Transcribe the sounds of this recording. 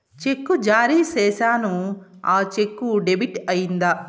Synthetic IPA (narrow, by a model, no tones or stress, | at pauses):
t͡ʃekːud͡ʒaːɾiːsɛːsaːnuaːt͡ʃekːuɖebiʈɐjind̪a